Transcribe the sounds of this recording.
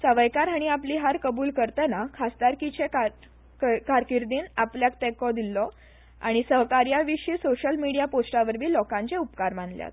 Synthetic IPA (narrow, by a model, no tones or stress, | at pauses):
səʋəjkaɾɦaɽ̃iapliːɦaɾkəbuːlkəɾt̪anakʰast̪aɾkit͡ɕeka | kaɾkiɾd̪iːnapljak̚t̪ɛkɔd̪ilːɔ | a̰ɽ̃isəɦkaɾjaʋiɕiːsoɕəlmiɽijaposʈaʋəɾbʱiːlɔkãɲt͡ɕeupkaɾmanlja̰t̪